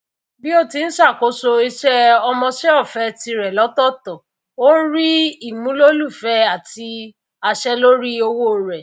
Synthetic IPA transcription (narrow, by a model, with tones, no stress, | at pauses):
bi˦o˦˨ti˧ñ̩˦ʃa˦˨ko˨˦so˧i˧ʃɛ˦ɔ˧mɔ̃˧ʃɛ˦ɔ˦˨fɛ˨˦ti˧ɾɛ˨lɔ˨˦tɔ˦˨tɔ˨ | o˦ñ̩˦ɾi˦i˦˨mũ˨˦lo˦lu˦˨fɛ˨˦a˦˨ti˧ | a˧ʃɛ˦lo˦ɾi˦o˧wo˦˨ɾɛ˨